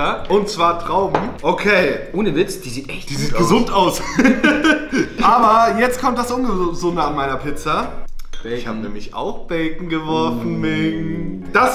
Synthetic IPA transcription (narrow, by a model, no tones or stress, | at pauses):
ɐʔʊntt͡sv̥aːɐtʁ̥aʊbm̩ʔokʰeːʔoːnəvɪt͡sd̥iːziːtʔɛ̰çtd̥iːziːtɡəzʊntaʊs | ʔaːbɐjɛt͡stkʰɔmtd̥asʔʊnɡəzz̥ʊndəanmaɪnɐpʰɪt͡sɐv̥ɛɪçhaːbənɛ̰ːmɪçʔa̰ʊxb̥ɛlkŋ̩ɡəvɔɐfn̩mɪn | d̥as